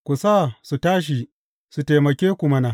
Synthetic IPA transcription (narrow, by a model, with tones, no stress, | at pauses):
kʷu˨saː˦˨su˨taː˦ʃ̬i˨ | su˨ta˨mɐ˨kʲeː˦kʷu˨mɐ˦na˨